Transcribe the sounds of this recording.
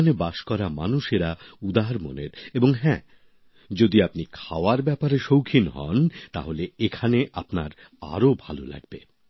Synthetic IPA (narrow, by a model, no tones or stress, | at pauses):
anebaʃkɔɾamanuʃeɾaud̪aɾmo̰neɾeboŋɦɛ̃ | d͡ʑod̪iapnikʰaoaɾbɛpaɾeʃowkʰinɦɔ̰nt̪a̰ɦoleekʰaneʔapnaɾ | a̰ɾobʱalo̰la̰ɡ̚be